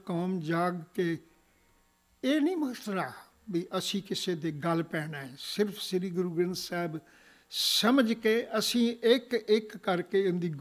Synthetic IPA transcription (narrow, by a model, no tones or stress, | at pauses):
kaːmd͡ʒaːɡkeː | eːnĩːmət̪ɾaː | biːʔəsĩːkɪseːd̪eːɡəlpɛːnaːɛːsɪɾpʰsɪɾiːɡʊɾuːɡɾənsɛːb | səməd͡ʒkeːʔəsĩːɪkɪkːəɾkeːɪnd̪iːɡ